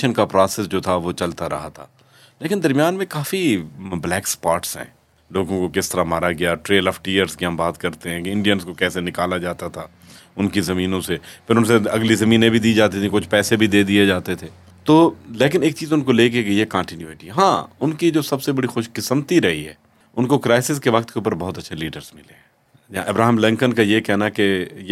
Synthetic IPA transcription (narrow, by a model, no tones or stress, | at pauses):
ʃənkapɾaːsɛsd͡ʒoːt̪ʰaʋot͡ʃɐlt̪aɾɐ̰ɦa̰t̪ʰa̰ː | leːkɪnd̪ɐɾmjaːnmẽkaːfiblɛːkspaːʈsɦɛ̰̃ː | loːɡõkokɪst̪əɾamaːɾaɡɐjaʈɾeːləfʈijəɾzkiɦɐ̃mbaːt̪kɐɾt̪eɦɛ̃ːkɪ̃ɳɖijənskokɛːsenɪkaːlad͡ʒaːt̪at̪ʰaː | ʊnkizɐmiːnõsepʰɪɾʊnseɐɡlizɐmĩːnẽbʱid̪iːd͡ʒaːt̪it̪ʰikʊt͡ʃʰpɛːsebʱid̪eːd̪ied͡ʒaːt̪et̪ʰeː | t̪oːleːk̬ɪneːk̚t͡ʃiːzʊnkoleːk̬ekeijekãːɳʈɪnjuːeʈiɦãːʊnkid͡ʒoːsɐbsebɐɽixʊʃkɪsəmt̪iɾɐɦiɦɛ̰ː | ʊnkokɾaːɪsɪskeʋɐkt̪keuːp̬əɾbɔɦʊt̪ɐtːʃʰeliːɖəɾzmɪleɛ | jãʔɐbɾaːɦɪmlɛ̃ŋkənkajekɛɦnaɦkej